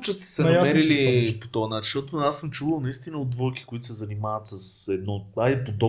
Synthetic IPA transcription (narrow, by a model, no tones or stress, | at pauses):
t͡ʃɛst̪ɛ̥sɛnɐmɛɾilipot̪ɔɐnat͡ʃʃʃt̪ɔt̪oasːəmt͡ʃuvəlˠnɐist̪inəod̪vəlki̥koit̪ʊ̥sɛzɐnimavɐt̪sɐsɛd̪̚nɔapod̪ɔ